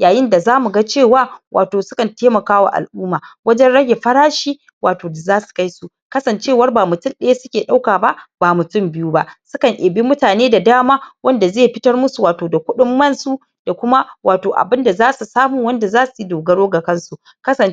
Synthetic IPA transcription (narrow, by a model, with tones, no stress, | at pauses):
jaː˨jɪ˦nda˨zaː˦mu˨ɡa˦t͡ʃeː˦˨waː˦wʔa̰ː˨toː˨sʊ˦kɐ˨nteː˦mɐ˨kaː˦wa̰˨ʔa̰˨lʔuː˦maː˨wɐ˦d͡ʒɛ˦nɽɐ˦je˨ɸɐ˦ɽaː˦ʃi˦ | wʔaː˨toː˨da˨zaː˦su̥˨ka˦jsu˦ | kɐ˦sɐ˨nt͡ʃeː˦˨wɐ˦rbaː˨mʊ˨tʊ˦˨nɗɐ˦ja˦sʊ˦kʲeː˨ɗa˦wkaː˨ba˦ʔb̥aː˨mʊ˨tʊ˦˨mbɪ˦juː˦ba˦ʔsʊ˦kɐ˨ŋʔeː˨bi˦mʊ˦taː˨neː˦da˨daː˦maː˦wɐ˦nda˨zeː˦˨ɸɪ˦tɐ˦rmʊ˦su˨waː˨toː˨da˨kʷʊ˦ɗʊ˦mːɐ˦˨nsu˦ | d̥a˨kʷʊ˦ma˦wʔaː˨toː˨ʔa̰˨bɪ˦nda˨zaː˦su˨saː˦mu˨wɐ˦nda˨zaː˦su˨i˦doː˨ɡɐ˦ɽoː˦ɡa˨kɐ˦nsu˨ | kɐ˦sɐ˨